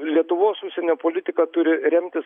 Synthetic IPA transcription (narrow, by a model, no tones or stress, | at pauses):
lʲiɛt̪ʊʋoːsʊʃʲsʲɛnʲoːpoːlʲɪt̪ʲɪkɐt̪ʊɾʲɪɾʲɛmʲt̪ʲɪs